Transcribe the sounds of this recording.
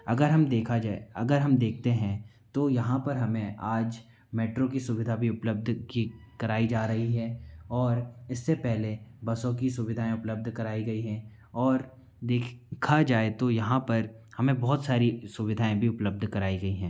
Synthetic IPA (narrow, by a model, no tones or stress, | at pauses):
ɐɡəɾɦɐmd̪eːkʰad͡ʒaːeɐɡəɾɦɐmd̪eːk̚ʰt̪eɦɛ̃ | t̪ojɐɦãpɐɾɦɐmẽʔaːd͡ʒ | meːʈɾõkisʊʋɪd̪ʱabʱiʊpləb̚d̪ʱkikɐɾaːid͡ʒaːɾɐɦiɦɛɔːɾɪsːepɛɦlebɐsõkisʊʋɪd̪ʱaːẽʊpləb̚d̪ʱkɐɾaːiɡɐiɦɛ̃ | ɔːɾ | d̪eːkkʰad͡ʒaːet̪ojɐɦãpɐɾ | hɐmẽbɔːt̪saːɾisʊʋɪd̪ʱaːẽbʱiʊpləb̚d̪ʱkɐɾaːiɡɐiɦɛ̃ː